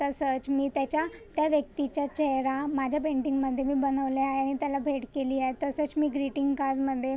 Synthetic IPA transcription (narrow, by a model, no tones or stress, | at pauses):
t̪əsət͡smiːt̪jat͡ɕjat̪jaʋjək̚t̪it͡ɕjat͡ɕɛɦɾamad͡ʑʱjapeɳʈiŋɡməd̪ʱːjemiːbənəʋleaɦeaɽ̃it̪jalabʱeʈkeliːajt̪əsət͡smiːɡɾiʈiŋɡkaɾd͡zməd̪ʱːje